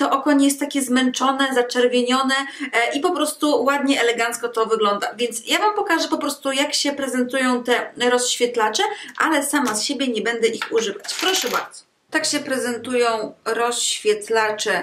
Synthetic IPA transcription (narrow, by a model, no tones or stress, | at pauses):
t̪ɔʔɔkɔɲɛjɛst̪ːakʲɛzmɛnt͡ʂɔnɛzat͡ʂɛɾvʲjeɲɔnɛʔipɔpɾɔst̪uwad̪̚ɲɛʔɛlɛɡant̪skɔt̪ɔvɘɡlɔnd̪avʲjɛnt̪sjavampɔkaʐɛpɔpɾɔst̪ujakɕɛpɾɛzɛnt̪ujɔ̃w̃t̪ɛɾɔsɕfʲjɛt̪lat͡ʂɛʔalɛsamasɕebʲjɛɲɛbɛnd̪ɛʔixuʐɘvat͡ɕpɾɔʂɛba̰ɾd̪zɔ | t̪akɕɛpɾɛzɛnt̪ujɔ̃w̃ɾɔsɕfʲjɛt̪lat͡ʂɛ